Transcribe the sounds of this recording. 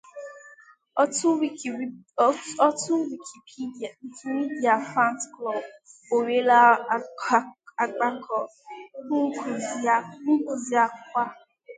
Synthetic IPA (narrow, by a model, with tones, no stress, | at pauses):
ɔ˦tʊ˦wi˨kʰi˨pʰi˦˨ŋ̩˨kʰi˨mi˦di˨a˨fɾa˦ntklɔ˨bo˨we˦la˦˨˦ | a˨ɡ͡ba˦kʰɔ˨˦ | ku˨zŋ̩˦ku˨zi˦a˦kʷa˦